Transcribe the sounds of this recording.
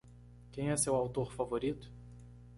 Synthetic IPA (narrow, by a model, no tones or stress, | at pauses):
kẽj̃ɛsewawt̪oɾfavoɾit̪ʊ̥